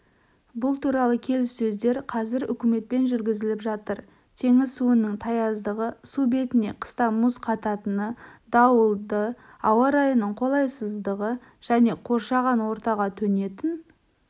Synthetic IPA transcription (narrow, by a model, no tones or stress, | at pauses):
bʊlˠt̪ʰuɾɑlˠəkʲʰe̞lɪsːɵzd̪e̞ɾqʰɑzɪɾʏkʲɪme̞t̪̚pe̞nʒʏɾɡʲɪzɪlɪpʒɑt̪əɾ | t̪ʰe̞ŋɪzsuənːəɴt̪ʰɑjɑzd̪əʁəsube̞t̪ɪne̞qʰə̥st̪ɑmʊsqʰɑt̪ɑt̪ənəd̪ɑwəlˠd̪ə | ɑwɑɾɑjənəɴqʰo̞lˠɑjsəzd̪əʁə | ʒ̥æne̞qʰo̞ɾʃɑʁɑnwo̞ɾt̪ɑʁɑt̪ʰɵne̞t̪ɪn